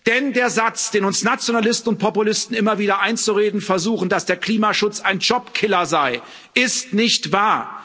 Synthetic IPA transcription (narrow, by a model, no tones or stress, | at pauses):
d̥ɛndeːɐzat͡sd̥eːnʊnsnat͡sjonalɪstn̩ʊnt̚pʰɔpulɪstn̩ɪmɐviːdɐʔaɪnt͡suʁeːdn̩fɛɐzuːxn̩d̥asd̥eːɐkl̥iːmaʃʊt͡saɪnd͡ʒɔpkʰɪlɐzaɪ | ʔɪstnɪçtv̥aːɐ